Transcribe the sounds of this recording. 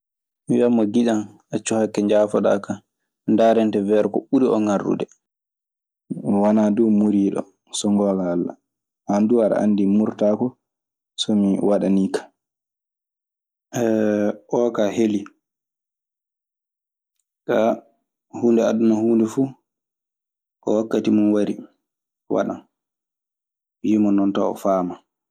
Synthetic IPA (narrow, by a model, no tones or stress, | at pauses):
miwamːɔɡiɗan | at͡ʃːuhakːɛɲd͡ʒaːfɔɗa̰ka | ndaɾɛntɛvɛɾkɔ̰ɓuɾiɔ̰ŋarɗṵdɛ | wanadɔmuɾiːɗɔ̰ | sɔŋɡɔːɡaːlːa̰ | handuaɾa̰ʔa̰nːdimuɾtakɔ | sɔmiwaɗaniːkḁ | ɛʔɔkaheli | ka | huːndɛaɗunahuːndɛfuː | ʔɔ̰wakːatimunwaɾi | wa̰ɗa̰n | wimɔnɔnta̰ɔ̰faːma